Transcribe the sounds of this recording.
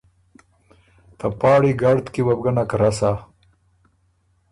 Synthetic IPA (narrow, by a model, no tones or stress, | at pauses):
t̪ʰapɑːɽiɡaɽt̪kiwabɡɐnakɾasa